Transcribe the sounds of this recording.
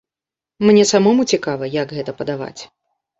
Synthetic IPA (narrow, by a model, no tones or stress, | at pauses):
mnʲɛsamɔmut͡sʲikavɐjaɡɣɛt̪ɐpɐd̪ava̰t͡sʲ